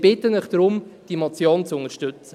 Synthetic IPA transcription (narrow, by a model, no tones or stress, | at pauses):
b̥ɪtənɪχd̥ɾʊmd̥imɔt͡sjoːnt͡sʊnəʃtʏt͡sə